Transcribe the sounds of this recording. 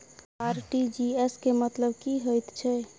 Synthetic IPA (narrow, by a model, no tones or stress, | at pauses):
aɾʈid͡ʒiɛskemət̪ləbkiɦəjt̪t͡ʃʰɛ